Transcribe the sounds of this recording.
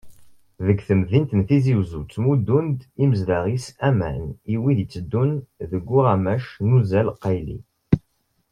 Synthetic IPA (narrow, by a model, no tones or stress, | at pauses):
ðəɡθəmðint̪nθiziwzut͡sːmud̪ːund̪iməzlaʁisæmæ̰niwiðit͡sːəd̪ːunðəɡʷːuʁæmæʃnuzælqːɑjlḭ